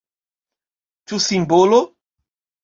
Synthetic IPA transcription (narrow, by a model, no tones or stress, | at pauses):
t͡ʃusĩmbolo